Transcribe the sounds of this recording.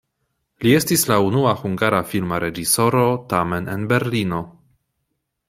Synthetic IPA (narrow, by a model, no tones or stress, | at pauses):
lie̞stislaunuaxuŋɡaɾafilmaɾe̞d͡ʒiso̞ɾo̞tame̞nḛnbe̞ɾlino̞